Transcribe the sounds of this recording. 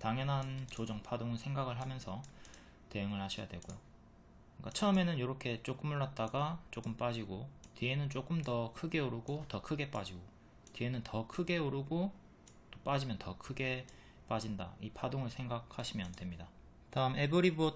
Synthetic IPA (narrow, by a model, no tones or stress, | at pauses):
taŋjʌnɦant͡ɕod͡ʑʌŋpʰadoŋɯsʰe̞ŋɡaɡɯɭɦamjʌnsʰʌ | te̞jɯŋɯɭhaɕʰʌja̰dwe̞ɡojo | k͈at͡ɕʰʌɯme̞nɯnjoɾʌkʰe̞t͡ɕ͈ok͈ɯmɯɭːat̚t͈aɡat͡ɕ͈ok͈ɯmp͈ad͡ʑiɡotie̞nɯnt͡ɕ͈ok͈ɯmdʌkʰɯɡe̞uɾuɡotʌkʰɯɡe̞p͈ad͡ʑiɡo | tienɯntʰʌkʰɯɡe̞uɾɯɡo | t͈op͈ad͡ʑimjʌntʌkʰɯɡe̞ | p͈ad͡ʑinda̰ipʰadoŋɯɭsʰe̞ŋɡak̚haɕʰimjʌntwe̞mɲida | taɯme̞bɯɾibo